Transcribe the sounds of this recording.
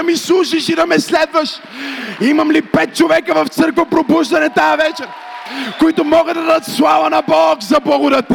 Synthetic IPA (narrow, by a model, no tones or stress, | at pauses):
ɐmislˠuʃiʃid̪ɐmɛslɛd̪vɐʃ | imɐmlipɛt̪̚t͡ʃovɛkəvɐft̪sɤɾkvopɾobuʒd̪ɐnɛt̪aɐvɛt͡ʃɛɾ | koit̪ʊmɔɡəd̪ɐd̪aɐt̪slˠavɐnɐbɔkzɐblˠɐɡʊd̪ət̪